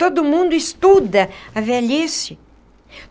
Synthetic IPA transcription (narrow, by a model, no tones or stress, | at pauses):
t̪od̪ʊmũnd̪ʊist̪ud̪ɐɐveʎesɪ